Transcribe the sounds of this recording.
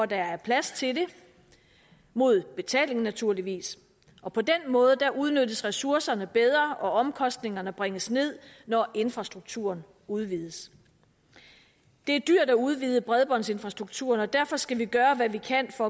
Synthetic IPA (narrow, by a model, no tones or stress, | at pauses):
ɒd̥ɑæɐpʰlæst͡sʰe̝lde̝ | mo̝ð̞̰ˠb̥e̝t͡sʰɛ̰ːle̝ŋn̩næt͡sʰuɐ̰liʋḭːs | ʔɒ̽pʰɒ̽d̥enmɔ̽ːð̞̩ˠd̥æʔuð̞ˠnød̥əsʁɛsuɐsɐnəb̥eð̞ˠʁɐʔɒ̽ʔɒ̽mkʰɒ̽sd̥ne̝ŋɐnəb̥ʁeŋəsne̝ð̰ˠnɒʔe̝nfʁɑ̈sd̥ʁuɡ̥̚t͡sʰuɐn | uð̞ˠʋiːð̞ˠəs | d̥e̝æɐd̥yɐ̰dæuð̞ˠʋiːð̞ˠəb̥ʁɛð̞ˠb̥ɒ̽n̰se̝nfʁɑ̈sd̥ʁuɡ̥̚t͡sʰuɐnɒ̽d̥æɐ̰fɒ̽sɡ̥æʋiɡ̥ɶːɐʋæʋikʰæn̰fɒ̽